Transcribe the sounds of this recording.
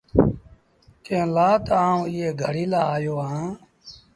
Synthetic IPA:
kẽːlaːt̪aːũːɪːeːɡʱəɽiːlaːaːjoːãː

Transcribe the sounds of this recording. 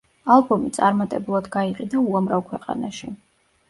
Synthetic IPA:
alˠbɔmit̪sʼaɾmat̪ʼɛbulˠad̪ɡaiqʼid̪auamɾavkʰwɛqʼa̰naʃi

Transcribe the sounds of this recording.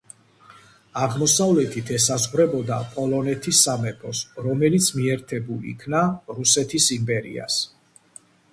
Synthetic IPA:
aʁmɔsavlɛt̪ʰit̪ʰɛsazʁɾɛbɔd̪apʼɔlˠɔnɛt̪ʰisːamɛpʰɔsɾɔmɛlit̪sʰmiɛɾt̪ʰɛbulḭkʰnaɾusɛt̪ʰisimpʼɛɾḭa̰s

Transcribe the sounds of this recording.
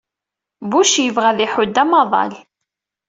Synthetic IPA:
buʃjəvʁæðiħʊd̪ːæmɑðˤɑ̰l

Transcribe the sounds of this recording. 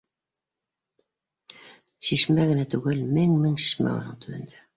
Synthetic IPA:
ʃiʃmæɣɘ̆næt̪ʉɡɘlmɘŋmɘŋʃi̥ʃmæ̰o̰nɤɴt̪ɵ̆βɘ̆nd̪æ

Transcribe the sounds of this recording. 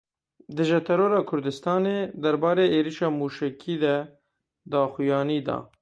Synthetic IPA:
d̪ɨʒɛt̪ʰɛɾoːɾɑːkʰʊɾd̪ɨst̪ɑːneːd̪ɛɾbɑːɾeːʔeːɾiʃɑːmuːʃɛkʰiːd̪ɛ | d̪ɑːxujɑːniːd̪ɑ̰ː

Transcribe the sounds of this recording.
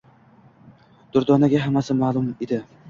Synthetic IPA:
d̪̥ʊɾd̪ɒnaɡʲaɦamːasɪmalˠʊmed̪ɪ

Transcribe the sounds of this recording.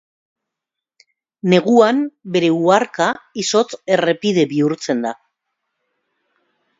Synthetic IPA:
ne̞ɣuambe̞ɾe̞uaɾkaiso̞t͡se̞re̞piðe̞βiuɾt͡se̞nd̪a

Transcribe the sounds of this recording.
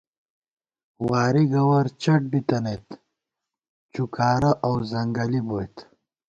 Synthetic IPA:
waːɾiɡɐwɐɾt͡ɕʰɐʈ̚bit̪ɐnejt̪ | t͡ɕukaːɾɐʔawzɐŋɡɐliboːjt̪

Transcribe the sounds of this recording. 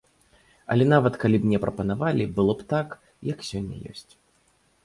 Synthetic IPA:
ɐ̰lʲɛnavɐt̪kalʲibmnʲɛpɾɐpɐnavalʲibɨlˠɔpt̪ak | jɐksʲɔnʲːɐ̰jɔ̰sʲt͡sʲ

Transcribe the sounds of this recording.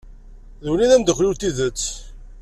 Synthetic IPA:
ðuliðænd̪əxɾiwt̪iðət͡sː

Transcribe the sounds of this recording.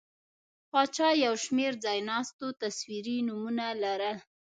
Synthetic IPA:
pɑt͡ʃɑjawʃmeɾd͡zɑjnɑst̪ot̪aswiɾinumunalaɾə

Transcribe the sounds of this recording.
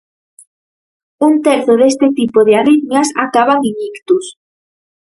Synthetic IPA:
unt̪eɾθoðes̬t̪et̪ipoðealiɣnjasa̰kaβaŋiŋikt̪us

